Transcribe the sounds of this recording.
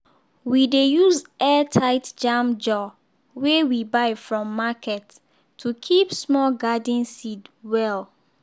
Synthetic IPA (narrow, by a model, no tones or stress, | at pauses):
widejuzɛtʰaɪtd͡ʒamd͡ʒɔ | wewibaɪfɹɔ̃mːakʰɛtːʰ | ukʰipsmɔlɡadĩnsidwɛl